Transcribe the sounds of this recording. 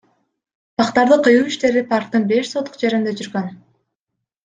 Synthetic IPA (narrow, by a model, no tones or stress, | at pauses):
pʰɑqt̪ɑɾd̪ɯqʰɯjuwiʃt̪e̞ɾipʰɑɾk̚t̪ɯnbe̞ʃsot̪ːu̥qd͡ʒe̞ɾind̪e̞d͡ʒyɾɡøn